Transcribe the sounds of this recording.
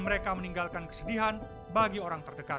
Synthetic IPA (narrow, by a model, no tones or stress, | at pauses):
məɾekaməniŋɡalkankə̥sədiɦan | baɡioɾaŋt̪ərdəkat̪̚